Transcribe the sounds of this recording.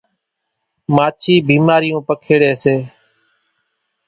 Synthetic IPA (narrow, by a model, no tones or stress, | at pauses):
maːt͡ʃʰiːbiːmaːɾɪjõːpəkʰeːɽeːseː